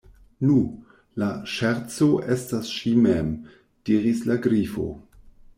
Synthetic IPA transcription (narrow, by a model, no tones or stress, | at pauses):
nu | laʃɛɾt͡soʔestasʃimem | d̥iɾislaɡɾifo̞̰